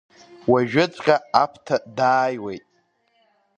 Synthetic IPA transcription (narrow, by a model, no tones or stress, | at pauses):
waʒᶣɪt͡sʷʼqʲʼaapʰtʰadaːjwejtʼ